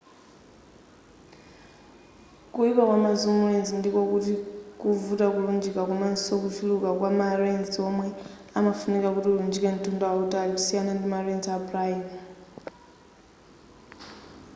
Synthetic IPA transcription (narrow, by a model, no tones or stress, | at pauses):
kuikakwamazumurenzindikokutikuvutakulund͡ʒikakunansiokufilukakwamarenzɔmwɛ | amafunikakutiund͡ʒiken̩tundaautaliusijanandimarenzapraim